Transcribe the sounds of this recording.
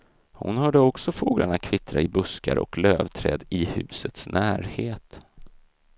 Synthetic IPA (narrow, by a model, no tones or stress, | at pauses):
hʊ̰nhœːɖəɔksɔfoːɡlʔaɳat̪̚kʰvɪt̪ɾaɪbɵskaɾʔɔ̰kløːvt̪ʰɾɛːd̪ɪhʉ̟ːsət̪snʔæːɾheːt̪